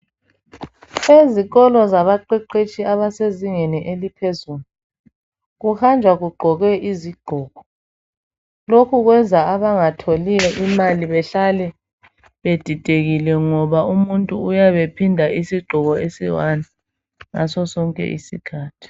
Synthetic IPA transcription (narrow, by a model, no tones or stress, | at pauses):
eziɣɔlɔzaβaǃiǃet͡ʃʼiaβaseziŋeniʔelipʰezuːlu | ɣuhand͡ʒʱwaɣuɡ͡ǃʱɔɣɛʔiziɡ͡ǃʱɔːɣɔ | lokʰuɣwɛnd͡zʱaaβaŋatʰolijɔʔimaliβɛɬalɛ | βed̥ʱid̥ʼʱeɣilɛŋɔβaumuntʼuːjaβepʰindʱaisiɡ͡ǃʱɔɣɔesiwana | ŋa̰sɔsɔŋkʼɛ̰ʔḭsikʰaːtʰi̥